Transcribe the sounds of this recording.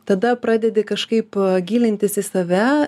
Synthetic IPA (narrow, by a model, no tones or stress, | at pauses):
t̪ɐd̪ɐpɾɑːd̪ʲɛd̪ʲekɐʃkɐɪpɡʲiːlʲɪnʲt̪ʲɪsɪsɐʋʲæ